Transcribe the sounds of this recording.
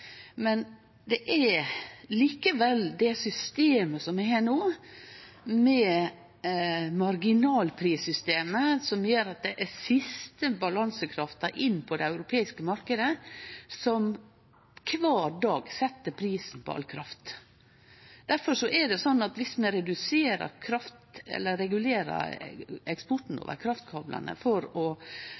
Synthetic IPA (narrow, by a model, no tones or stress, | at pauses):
mɛn | d̪ɛʔæ | liːkəʋɛld̪ɛsʏst̪eːməsɔmæheːɳoː | mɛ | mɑɾɡɪnɑːlpʰɾiːsʏst̪eːməsɔmjøːɾɑt̪̚d̪ɛʔæsɪst̪əbɑlɑnsəkʰɾɑft̪ɑɾʔɪnːpʰɔd̪ɛɑʉɾʊpʰeːɪskəmɑɾkəd̪əsɔm | kʰʋɑːɾɖɑːɡsɛt̪ːəpʰɾiːsn̩pʰɔ̰ʔɑ̰lkʰɾɑft̪ | d̪̥æɾfɔʂɔʔɛɖɛsɔnːɑt̪ʋɪsmɛɾɛd̪ʉseːɾə̰ɾkʰɾɑft̪ɛ̰lːəɾɛɡʉleːɾɑ̰ɾɛkspɔʈn̩o̰ːʋə̰ɾkʰɾɑft̪̚kʰɑblʔɑ̰nə̰fɔɾɔ